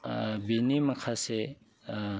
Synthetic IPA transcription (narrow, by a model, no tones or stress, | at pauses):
binimɐkʰase